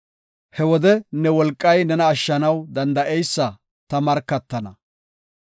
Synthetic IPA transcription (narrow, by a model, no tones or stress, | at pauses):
hɛwɔd̪ɛnɛwɔlkʼːɐjnɛnɐːʃːɐnɐwd̪ɐnd̪ɐʔɛjsːɐ | t̪ɐmɐɾkːɐt̪ːɐnɐ